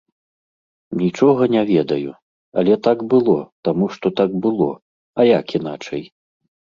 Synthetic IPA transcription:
nʲit͡ʂɔɣɐnʲavʲɛd̪ɐju | ɐ̰lʲɛt̪aɡbɨlˠɔt̪amuʂt̪ɔt̪aɡbɨlˠɔ̰ | ɐjakinat͡ʂɐj

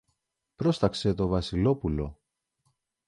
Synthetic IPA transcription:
pɾo̞st̪ɐkse̞t̪o̞vɐsilo̞pulo̞̰

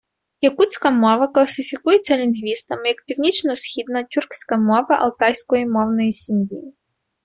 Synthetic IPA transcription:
jɐkut̪sʲkɐmɔʋɐklˠɐsɪfʲikujett͡sʲːɐlʲinɦʋʲist̪ɐmɪjɐkpʲiwnʲit͡ʃnɔsxʲid̪nɐtʲurksʲkɐmɔvɐʔɐ̰lˠt̪ajsʲkɔjimɔwnɔjisʲimjḭ

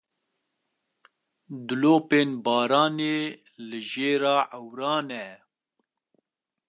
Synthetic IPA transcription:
d̪ʊloːpeːnbɑːɾɑːneː | lɨʒeːɾɑːʔəwɾɑːnɛ

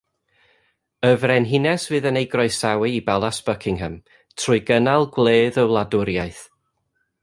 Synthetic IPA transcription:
əvrɛnɦɪnɛsvɨːðənejɡrɔɨsawɨibalˠasb̥əkʰɪŋɦəm | tʰrʊɨɡənalˠɡlˠeːðəwlˠadʊɾjajθ

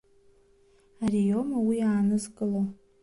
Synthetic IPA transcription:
arijomawiaːnɨzɡʼɨlo

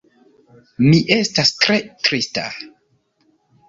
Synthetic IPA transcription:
miʔe̞stastɾe̞tɾista̰

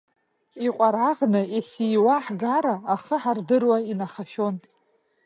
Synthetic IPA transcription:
iqʷʼaɾaʁnɨesiwaħɡaɾaːχəħardɨrwainaχaʃo̞n

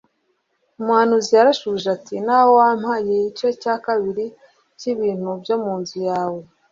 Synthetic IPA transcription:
umwaːnuzijaɾaʃuːʒatinawowam̥hajeit͡ʃo̞caːkaβiɾi | ciβiːn̥hubjo̞muːnzujaːwe̞

